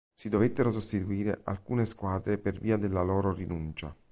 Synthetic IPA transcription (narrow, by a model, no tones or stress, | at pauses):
sid̪ovet̪ːeɾosost̪it̪uiːɾḛʔa̰lkuːneskwaːd̪ɾeperviːad̪elːalɔːɾorinunt͡ʃa̰